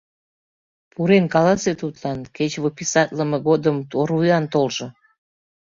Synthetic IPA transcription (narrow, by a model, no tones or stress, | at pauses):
puɾenkɑlɑset̪ut̪lɑnket͡ɕβopʲisɑt̪ləməɣod̪əmt̪oɾvujɑnt̪olʒo